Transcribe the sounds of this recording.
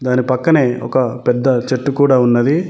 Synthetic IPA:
d̪aːnipɐkːɐneːɔ̰kɐpɛd̪ːɐt͡ʃeʈːukuːɽaːunːɐd̪i

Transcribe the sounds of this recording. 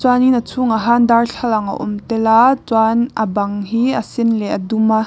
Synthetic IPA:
t͡swaninət͡sʰʊŋaɦand̪arɬʰɐlɐŋɐ̰ʔɔ̰mt̪ɛlat͡swanʔɐbɐŋɦiːʔɐsɪnlɛʔɐduma

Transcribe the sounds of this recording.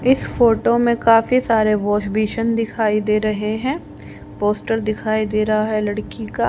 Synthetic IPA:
ɪsfoːʈomẽkaːfisaːɾeʋɔːʃbiːʃənd̪ɪkʰaːid̪eːɾɐɦeɦɛ̃ː | poːsʈəɾd̪ɪkʰaːid̪eːɾɐɦaɦɛlɐɽkikaː

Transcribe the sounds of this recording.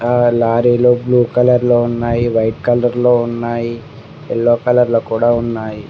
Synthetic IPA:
aːlaːɾiːloːbluːkɐlɐɾloːunːaːjiʋɐjʈkɐlɐɾloːunːaːji | ɛlːoːkɐlɐɾlokuːɽaːunːaːji

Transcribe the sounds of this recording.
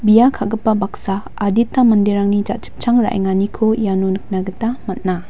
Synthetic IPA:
bijakʰaɡɐpːɐbak̚saː | ditːamɐndeɾaŋnid͡ʒa̰t̚t͡ʃi̥p̚t͡ʃaŋɾa̰ʔj̰ŋanikʰojanonɯk̚naɡɯtːamɐt̚na

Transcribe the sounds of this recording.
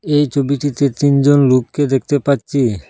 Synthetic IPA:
ejt͡ɕʰobiʈit̪et̪ind͡ʑonlukːed̪ek̚ʰt̪epaːɕʰi

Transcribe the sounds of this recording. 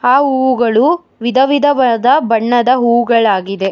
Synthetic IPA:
aːɦuːwuɡɐɭu | ʋid̪ʱɐʋid̪ʱɐʋɐd̪ɐbɐɳːɐd̪ɐɦuːwuɡɐɭaːɡid̪e̞

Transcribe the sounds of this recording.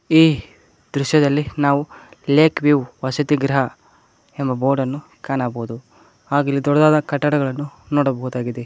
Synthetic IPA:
iː | d̪ɾuʃjɐd̪ɐlːinaːʋuleːkʰʋiʋʋɐsɐt̪iɡɾɐɦɐ | embɐboːɾɖɐnːu | kaːnaːbɐɦud̪u | aːɡilːid̪ɔɽɐd̪aːd̪ɐkɐʈːɐɽɐɡɐɭɐnːunoːɽɐbɐɦud̪aːɡid̪e

